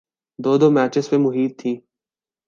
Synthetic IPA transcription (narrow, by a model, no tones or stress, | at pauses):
d̪oːd̪oːmæːt͡ʃɪzpẽmʊɦiːt̪ʰːĩː